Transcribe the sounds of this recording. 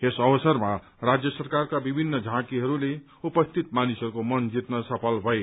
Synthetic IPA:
esʌbʌsʌrma | rad͡zjʌsʌrkarkabibʱinːʌd͡zʱãkiɦʌɾule | upʌst̪ʰit̪̚manisʌɾukomʌnd͡zit̪nʌsʌpʰʌlbʱʌe

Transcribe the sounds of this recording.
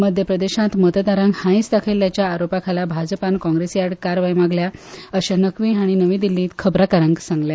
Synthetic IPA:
məd̪ʱjəpɾəd̪eɕãt̪mət̪əd̪aɾãŋɡhãĩsd̪akʰeljat͡ɕjaːɾopakʰalabʱad͡zpankɔ̃ŋɡɾesjaɽkaɾʋaimaɡljaəɕanəkʋĩːɦaɽ̃inəʋĩːd̪ilːĩːt̪kʰəbɾakəɾãŋɡsãŋɡle

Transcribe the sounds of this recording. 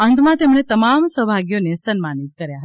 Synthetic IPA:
ə̃ŋɡ̪mãt̪emɽ̃et̪əmamsəbʱaɡjonesənmanit̪̚kəɾjaɦət̪a

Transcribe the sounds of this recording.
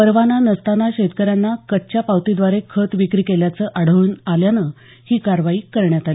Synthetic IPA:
pəɾʋananəst̪anaɕet̪kəɾjanːakət̚t͡ɕjapawt̪id̪ʋaɾekʰət̪ʋikɾiːkeljat͡səʔaɽ̤əʋuːnaljanə | hiːkaɾʋaiːkəɾɳjat̪ali

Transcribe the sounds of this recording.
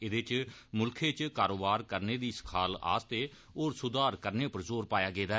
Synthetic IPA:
ɪd̪eːt͡ʃmʊlkʰeːt͡ʃkaːɾoːbaːɾkəɾneːd̪iːsə̥kʰaːla̰ːst̪eː | oːɾsʊd̪aːɾkəɾneːpəɾzoːɾpaːjaːɡeːd̪aː

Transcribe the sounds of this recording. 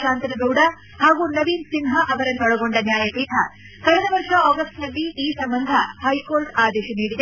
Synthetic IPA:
ʃaːnt̪ɾɐɡ̪ɐwɽɐ | haːɡunɐʋiːnsinɦɐʔɐʋɐɾɐnɔɭɐɡoɳɖɐnjaːjɐpiːt̪ʰɐ | kɐɾɛd̪ɐʋɐɾʂɐɔːɡɐst̪ɐlːiiːsɐmbɐnd̪ʱɐhɐjkoːɾʈaːd̪ɛːʃɐniːɽid̪e

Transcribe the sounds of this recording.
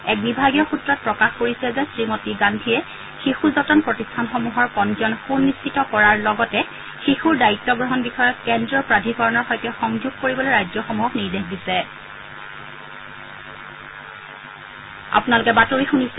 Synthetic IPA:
ɛk̚bibʱaɡijɔxutɹɔt̚pɹɔkaxkoɹisɛzɛsɹimotiɡandʱijɛ | xixuzɔtɔnpɹɔtistʰanxɔmuɦɔɹkɔnd͡ʒɔnxunːist͡ʃitɔkɔɹaɹlɔɡɔtɛ | xixuɹdaitːɔɡɹɔɦɔnbixɔjɔtkɛndɹɔpɹadʱikɔɹɔnɔɹxɔjtɛxɔŋzuɡ̚koɹibɔlojɹajzjɔxɔmuɦɔkniɹdexdisɛ | a̰punalukɛbatoɹixunis

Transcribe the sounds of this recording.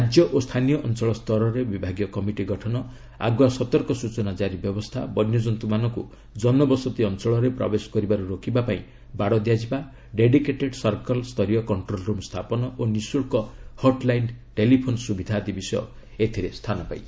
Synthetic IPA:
ɾad͡ʒjɔʔost̪ʰanijɔʔɔnt͡ʃɔɭɔst̪ʰɔɾɔɾebibʱaɡjɔkɔmiʈiɡɔʈʰɔnɔ | a̰ɡwasɔt̪ɔɾkɔsut͡ʃɔnad͡ʒaɾibjɔbɔst̪ʰabɔnjɔd͡ʒɔnt̪umanɔŋku | d͡ʒɔnɔbɔsɔt̪iɔnt͡ʃɔɭɔɾepɾɔ̰besɔ̥kɔɾibaɾuɾokibapaĩ | baɽɔd̪jad͡ʒiba | ɖeɖikeʈeɖsɔɾkɔlst̪ʰɔɾijɔkɔɳʈɾolɾumst̪ʰapɔnɔʔonisuɭkɔhɔɾʈlajnʈelipʰonɔsubid̪ʱaːt̪ibisɔjɔ̰ | et̪ʰiɾest̪ʰanɔpa̰i

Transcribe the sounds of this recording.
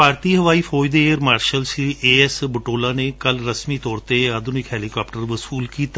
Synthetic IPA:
paːɾt̪iːɦəʋaːiːfʰoːjd̪eːɾmaːɾʃəlsiʔeːɛsbəʈoːlãːnekəlɾəsmit̪ɔːɾt̪ead̪ʊnɪkɦɛːlikaːpʈəɾʋəsuːlkiːt̪a

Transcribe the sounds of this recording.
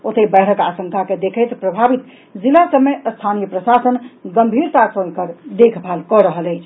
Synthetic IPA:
ot̪ebɛʈʰəkasə̃ŋkʰaked̪ekʰəjt̪pɾəbʱabit̪ | d͡ʒilasəbmːeəst̪ʰanijəpɾəsasənɡəmbʱiɾt̪asəkəɾd̪ekʰbʱalkɔɾəɦələjt͡ʃʰ

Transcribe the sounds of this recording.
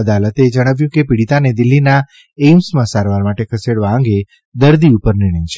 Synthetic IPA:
əd̪alət̪ed͡ʒəɽ̃əʋjũkepiɽit̪aned̪ɪlːina | emsmãsaɾʋaɾmaʈekʰəseɽʋaə̃ŋɡe | d̪əɾd̪iupəɾnɪɾɳ̃ə̃j̃t͡ʃʰe

